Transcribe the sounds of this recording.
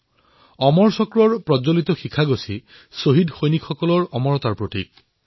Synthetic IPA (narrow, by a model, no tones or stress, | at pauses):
ɔmɔɹsɔkɹɔɹpɹɔd͡ʒolit̪ɔxikʰaɡosi | soɦidxojnikxɔkɔlɔɹɔmɔɹɔt̪aɹpɹotik̚